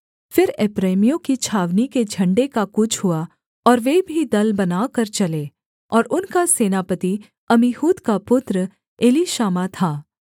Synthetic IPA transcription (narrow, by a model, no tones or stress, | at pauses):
fɪɾɛːpɾeːmijõkit͡ʃʰaːʋniked͡ʒʱɐ̃ɳɖekakʊt͡ʃʰɦua | ɔːɾʋeːbʱid̪ɐlbɐnaːkɐɾt͡ʃɐleː | ɔːɾʊnkaseːnaːpət̪i | ɐmihuːt̪kapʊt̪ɾə | eːliʃaːmat̪ʰaː